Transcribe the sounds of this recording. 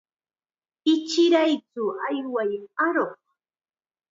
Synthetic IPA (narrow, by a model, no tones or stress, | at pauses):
ɪt͡ʃɪɾajt͡sʊajwajaɾoχ